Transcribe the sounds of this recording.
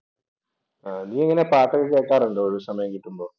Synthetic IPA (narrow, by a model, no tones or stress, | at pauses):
aːniːeŋːɐnepaːʈːɐɣɨkeːkːaːɾuɳɖooɻusɐmɐjɐŋkiʈːumbo̞ː